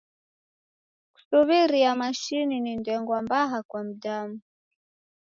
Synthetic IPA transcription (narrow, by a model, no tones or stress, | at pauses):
ku̥suβiɾiamaʃininindɛŋɡwambaɦakwam̩damu